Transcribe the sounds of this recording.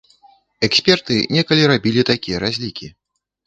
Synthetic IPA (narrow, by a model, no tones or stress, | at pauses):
ɛksʲpʲɛrt̪ɨnʲɛkɐlʲiɾabʲilʲit̪akʲijɐɾazʲlʲikʲi